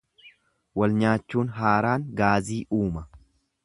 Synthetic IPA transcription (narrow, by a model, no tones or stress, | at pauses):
wɐlɲaːt͡ʃːuːnɦaːɾaːŋɡaːziːʔuːmɐ